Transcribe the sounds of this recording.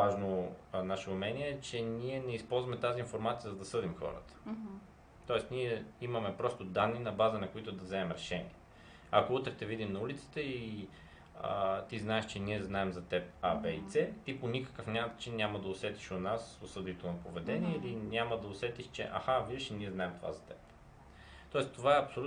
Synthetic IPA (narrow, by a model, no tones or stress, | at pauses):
aʒnonaʃɛʊmɛniɛɛt͡ʃɛniɛnɛispɔlˠzvɐmɛt̪aziːnfoɾmat̪sijəzɐd̪ɐsɤd̪imxɔ̰ɾə̰t̪ə̥ | t̪ɔɛsniɛimɐmɛpɾɔst̪od̪anːinɐbazənɐkʊit̪ʊd̪ɐvzɛmɛmɾɛʃɛnḭɛ | ɐkout̪ɾɛt̪ɛvid̪imnɐulit̪sə̥t̪əi | t̪iznaɛʃt͡ʃɛniɛznaɛmzɐt̪ɛp̚abɛit̪sɛt̪iponikə̥kəfnʲamd̪t͡ʃinːʲaməd̪ɐʊsɛt̪i̥ʃonasosɤd̪it̪onɐpovɛd̪ɛnʲiɛilinʲaməd̪ɐʊsɛt̪iʃt͡ʃɛ̰ʔa̰xavid̪ɛʃiniɛznaɛmt̪ova̰zɐt̪ɛp | t̪ɔɛst̪ovaɛɐpsolu